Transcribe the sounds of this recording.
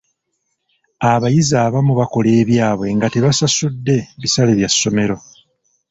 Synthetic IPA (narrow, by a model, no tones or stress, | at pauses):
aβajizaːβamuβako̞le̞ːβjaːβwe̞ŋɡate̞βasasudːe̞βisaleβjasːo̞me̞ɾo̞